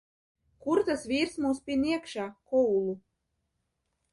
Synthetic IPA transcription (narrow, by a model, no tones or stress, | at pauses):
kuɾt̪asvʲiːɾsmuːspʲinʲiɛkʃaːkɔulˠu